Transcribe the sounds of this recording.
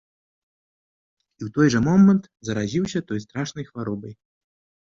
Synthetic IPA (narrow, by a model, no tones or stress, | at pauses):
iwt̪ɔjʐɐmɔmɛnt̪zɐɾazʲiwsʲɐt̪ɔjst̪ɾaʂnɐjxvaɾɔbɐj